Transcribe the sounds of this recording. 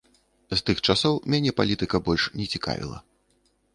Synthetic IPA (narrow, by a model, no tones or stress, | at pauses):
st̪ɨxt͡ʂasɔwmʲanʲɛpalʲit̪ɨkɐbɔlʲʂnʲɛt͡sʲika̰vʲḭlˠɐ̰